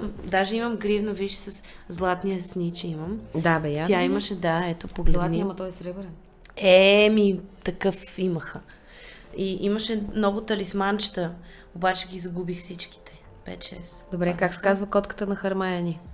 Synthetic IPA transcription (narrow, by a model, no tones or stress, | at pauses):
d̪aʒɛiməmɡɾivnovidʃsɐszlˠat̪nijəsnit͡ʃɛiməmd̪abɛjat̪jaiməʃɛd̪aɛt̪opoɡlɛanimɐt̪ɔɛsɾɛbɾɛn | ɛmit̪ɐkɤfiməxə | iʔiməʃɛmnɔɡʊt̪ɐlismant͡ʃɛ̥t̪ə | obat͡ʃɛɡʲizɐɡubixfsit͡ʃki̥t̪ɛ̥ | pɛ̰t̪t͡ʃɛ̰sd̪obɾɛkaksɛ̥kazvəkɔt̪kə̥t̪ənɐxɐɾmajɐnʲi